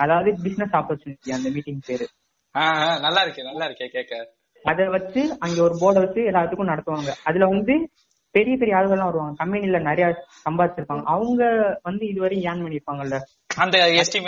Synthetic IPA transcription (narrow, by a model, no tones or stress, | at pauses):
ɐðaːʋɐðɯbɪsnɛsaːpɐɾt͡ʃuːnɪʈːɪjaɐnd̪ɐmiːʈːɪŋɡpeːɾɯ | aːɦãːnɐlːaːɪɾɯkːɯnɐlːaːɪɾɯkːekeːkːɐ | ɐðɛʋɐt͡ʃːɯɐŋɡeːɔɾɯboːɽɐʋɐt͡ʃːɯɛlːaːt̪ːɯkːʊ̃nɐɽɐt̪ːɯʋaːŋɡɐɐðɪlɐʋɐnd̪ɯ | pɛɾɪjɐpɛɾɪjɐaːɭɯɣɐɭlːãːʋɐɾɯʋaːŋɡɐkɐmpɛnilɐnɛɾɐjaːsɐmbaːðɪt͡ʃːɪɾɯpːaːŋɡɐʔɐʋɯŋɡɐʋɐnd̪ɯɪðɯʋɐɾɐj̃jaːnmɐɳːɪɾɯpːaːŋɡɐɪlːɐ | ɐnd̪ɐɛsʈim